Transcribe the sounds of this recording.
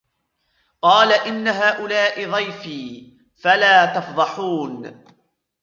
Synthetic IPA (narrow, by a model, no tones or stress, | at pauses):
qɑːlaʔɪnːaɦaːʔʊlaːʔɪðˤɑjfiː | falaːt̪ɑfd̪ˤɑħuːn